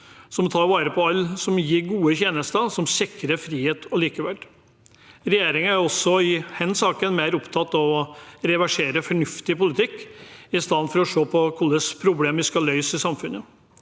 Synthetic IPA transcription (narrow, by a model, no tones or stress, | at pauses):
sɔmt̪ʰɑːɾʋɑːɾəpʰɔɑlːsɔmjiːɾɡuːəçjeːnəst̪əsɔmsɪkəɾəfɾiːheːt̪ɔliːkəʋɛl | ɾɛjeːɾɪŋəæɾɔsːɔɪhɛnsɑːkənmeɪɾɔpt̪ʰɑt̪ːɔɾɛʋæʂeːɾəfɔɳʉft̪ɪpʊlɪt̪ʰɪkːɪst̪ɑnfɔɾɔʂoːpʰɔkʰʊlːəspʰɾʊbleːmɪskɑlœʏsɪsɑmfʉnə